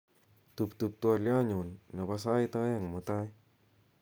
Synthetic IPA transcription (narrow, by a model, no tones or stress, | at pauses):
t̪up̚t̪up̚t̪ualjaɲunːapas̬ajt̪ajaŋmət̪aj